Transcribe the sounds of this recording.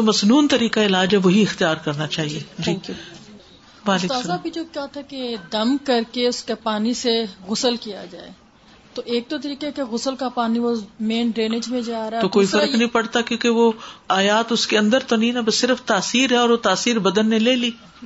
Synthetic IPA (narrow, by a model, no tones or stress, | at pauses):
t̪omɐsnuːnt̪ɐɾiːkaɪlaːd͡ʒɦɛʋoɦiɪxt̪ijaːɾkɐɾnat͡ʃaːɦied͡ʒiː | ʋaːlekːsabʱid͡ʒoːkjat̪ʰaked̪ɐmkɐɾkeʊskepaːniseɣʊsəlkijad͡ʒaːe | t̪oʔeːk̚t̪ot̪ɐɾiːkekeɣʊsəlkapaːniʋomẽːnɖɾeːnɪd͡ʒmẽd͡ʒaːɾat̪okoːifɐɾəknɐɦĩpɐɽt̪akjõːkeʋoaːjaːt̪ʊskeɐ̃nd̪əɾt̪onɐɦĩnabɐsːɪɾəft̪aːsiːɾɦɛɔːɾʋot̪aːsiːɾbɐd̪ənːẽleːliː